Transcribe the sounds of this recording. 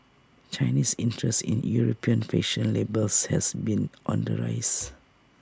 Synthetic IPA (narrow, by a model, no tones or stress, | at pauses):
t͡ʃaɪnisĩntʰɹɛstḭ̃njuɹopʰiə̃nfeʃə̃nlebəlshɛsbĩnʔɔ̰̃ndəɹa̰ɪs